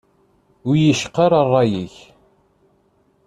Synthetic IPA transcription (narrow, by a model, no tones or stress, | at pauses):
ʊjəʃqːɑɾˤɑrˤːɑjiç